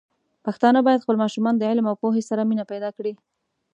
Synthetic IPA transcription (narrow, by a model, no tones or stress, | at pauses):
paxt̪ɑnabɑjad̪xpəlmɑʃumɑnd̪əɪlmawpoɦesaɾaminapajd̪ɑkɽi